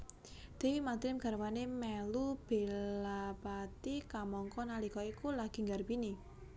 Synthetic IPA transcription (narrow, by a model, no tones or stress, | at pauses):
d̪̥e̤wimad̪ɾɪmɡ̥a̤rwanemɛlub̥e̤lapat̪ikamɔŋkɔnalikɔikulaɡ̥i̤ŋɡarbini